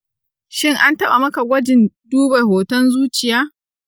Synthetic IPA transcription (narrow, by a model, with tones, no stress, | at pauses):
ʃɪ˦ŋʔa˦ntɐ˦ɓa˨mɐ˦ka˨ɡʷɐ˦d͡ʒɪ˨nduː˦ba˨ɦoː˨tɔ˦nzuː˦t͡ʃɪ˨jaː˦